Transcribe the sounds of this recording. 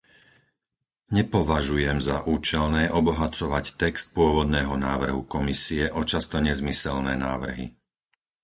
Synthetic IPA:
ɲɛpɔʋaʒujɛmzaʔuːt͡ʃɛlnɛːʔɔbɔɦat͡sɔʋact̪ɛkst̪̚pʊɔʋɔd̪nɛːɦɔnaːʋr̩ɦukɔmisiɛʔɔt͡ʃast̪ɔɲɛzmisɛlnɛːnaːʋr̩ɦḭ

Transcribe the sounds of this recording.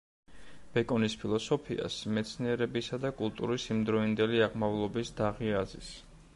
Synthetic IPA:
b̥ɛkʼɔnispʰilˠɔsɔpʰia̰smɛt̪sʰniɛɾɛbisad̪akʼulˠt̪ʼṵɾisimd̪ɾɔind̪ɛliaʁmavlˠɔbisd̪̥aʁiazis

